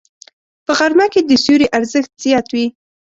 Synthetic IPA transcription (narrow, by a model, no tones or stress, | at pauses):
pəɣaɾmaked̪əsuɾiʔaɾzəxt̪z̥ijɑt̪wi